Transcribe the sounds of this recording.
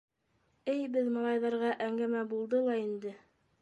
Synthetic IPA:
ɘjbɘðmɑlˠɑjðɑɾʁɑʔæŋɡæmæbulˠd̪ɤlˠɑind̪ɘ

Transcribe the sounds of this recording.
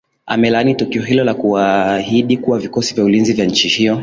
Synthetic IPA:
amɛlanitukiɔɦilɔlakuahiɗikuwavikɔsivjaulinzivjaɲ̩t͡ʃihijɔ

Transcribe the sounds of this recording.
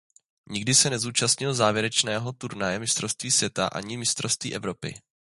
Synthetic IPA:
ɲɪɡdɪsɛnɛzuːt͡ʃast̪ɲɪlzaːvjɛɾɛt͡ʃnɛːɦo̞t̪uɾnajɛmɪst̪ɾofst̪viːsvjɛt̪a̰ʔa̰ɲɪmɪst̪ɾost̪vḭːʔɛvɾo̞pɪ̰

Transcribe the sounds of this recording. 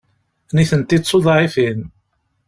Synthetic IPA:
niθənt̪isːˤoðˤɾifin

